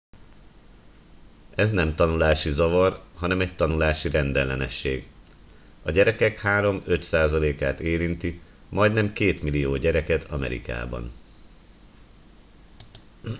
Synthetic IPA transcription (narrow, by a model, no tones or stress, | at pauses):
ɛznɛmt̪ɒnulaːʃizɒvɒrɦɒnɛmɛc̚t̪ɒnulaːʃiɾɛnd̪ɛlːɛnɛ̰ʃːeːɡ | ɒɟɛɾɛkɛkhaːɾo̞mø̞t̪saːzɒleːkaːt̪eːɾint̪i | mɒjd̪nɛmkeːt̪milijoːɟɛɾɛkɛt̪ʰɒmɛ̰ɾḭka̰ːbɒ̰n